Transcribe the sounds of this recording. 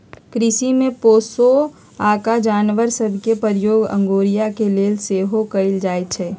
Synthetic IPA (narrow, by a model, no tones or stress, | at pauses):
kɾɪsimẽpoːso | aːkad͡ʒaːnʋəɾsəbʱkepəɾjoːɡə̰̃ŋɡoːɾijakeleːlseːɦokəɪld͡ʒaːjt̪̚t͡ʃʰɛː